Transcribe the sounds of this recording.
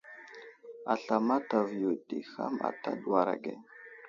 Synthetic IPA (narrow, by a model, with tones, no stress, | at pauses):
a˨ɬa˨ma˦ta˨vju˨ti˨xa̰˦ma̰˨ta˦dwa˨ɾa̰˨ɡe˨